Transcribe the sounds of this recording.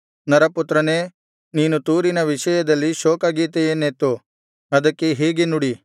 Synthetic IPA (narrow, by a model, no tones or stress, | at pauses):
nɐɾɐput̪ːɾɐneː | niːnut̪uːɾinɐʋiʃɐjɐd̪ɐlːiʃɔːkɐɡiːt̪ejenːet̪ːu | ɐd̪ɐkːeɦeːɡenuɽi